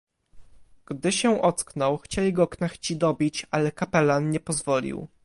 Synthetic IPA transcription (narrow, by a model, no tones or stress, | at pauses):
ɡ̥d̪ɘɕɛ̃ʔɔt̪sknɔwxt͡ɕelʲiɡɔknaxt͡ɕid̪ɔbʲit͡ɕalɛkapɛlanɲɛpɔzvɔlʲḭw